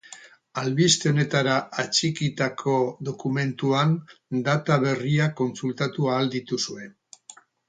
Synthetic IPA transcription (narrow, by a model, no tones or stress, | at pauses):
alβist̪e̞one̞t̪aɾaat͡ʃikit̪akʰo̞ðo̞kume̞nt̪uand̪at̪aβe̞riako̞nsult̪at̪uaːld̪it̪usue̞n